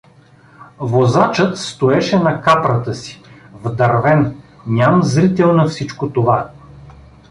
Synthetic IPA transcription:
vozat͡ʃət̪st̪oɛʃɛnɐkapɾət̪əsi̥ | vd̪ɐɾvɛn | nʲamzɾit̪ɛlˠnɐfsit͡ʃkot̪ova

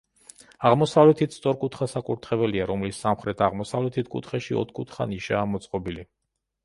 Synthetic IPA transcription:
aʁmɔsavlɛt̪ʰit̪ʰst̪sʼɔɾkʼut̪ʰχasakʼuɾt̪ʰχɛvɛliaɾɔmlisːamχɾɛt̪ʰaʁmɔsavlɛt̪ʰit̪ʰkʼṵt̪ʰχɛʃiɔ̰t̪ʰkʼut̪ʰχa̰niʃaːmɔt̪sʼqʼɔbili

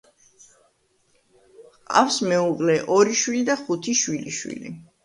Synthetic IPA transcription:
qqʼa̰fsmɛukʼlɛʔɔɾiʃwilid̪aχut̪ʰiʃwilḭʃwḭlḭ

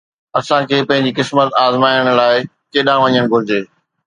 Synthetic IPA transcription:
ɐsãkʰeːpɐ̃ɦɪ̃ɲ̆d͡ʑikɪsmət̪aːzmaːjəɽ̃laːɪ | keːɗãːʋɐɲəɽ̃ɡʱʊɾɪd͡ʑeː

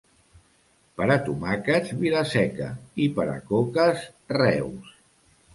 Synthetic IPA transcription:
pəɾat̪umakəzβilasɛkə̰ipəɾa̰kokəsrɛws

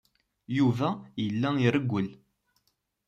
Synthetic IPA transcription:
juvæjəlːæiɾəɡʷːəl

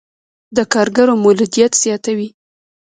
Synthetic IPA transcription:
d̪əkɑɾɡaɾomʊlud̪ijat̪z̥jɑt̪awi

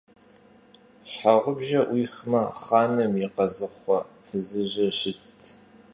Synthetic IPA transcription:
ɕħaʁʷʊbʒɐʔwʔiːxmɐχaːnɐmjɪqɐzɨχʷɔ | fɨzɨʑɐɕɪt͡sʰtʰ

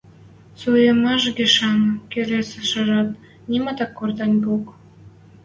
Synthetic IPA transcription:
sujəmɑʃɡʲeʃɑŋkelʲeseʃə̆ʒɑt̪ | nʲimɑt̪ɑkːort̪ɑnʲbok

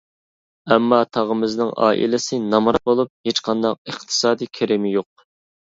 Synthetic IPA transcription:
ɛmːɑt̪ʰɑʁəmɪznɪŋɑ̰ːʔḭlɪsɪnɑmɾɑbolˠup̚het͡ʃqʰɑnd̪ɑq̚əχt̪ʰɨ̥sɑːd̪ikʲʰɛɾɪmɪjoq̚

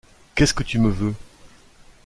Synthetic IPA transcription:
kɛskət̪yməvø

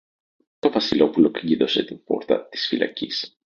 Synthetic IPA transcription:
t̪o̞vɐsilo̞pulo̞kɐɟiðo̞se̞t̪impo̞̰ɾt̪ɐ̰t̪i̥sfilʔɐ̰cis

